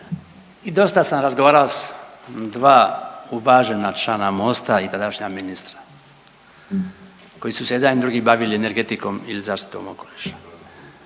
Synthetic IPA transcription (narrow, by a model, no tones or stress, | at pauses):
id̪o̞st̪asamɾazɡoʋaːɾalosd̪ʋaːuʋaʒe̞nat͡ʃlanamo̞st̪ait̪ad̪aʃɲaminist̪ɾḁ | kojisuseed̪anid̪ɾuːɡibaʋiliene̞ɾɡet̪iko̞milizaːʃt̪i̥t̪o̞̰mokoliʃḁ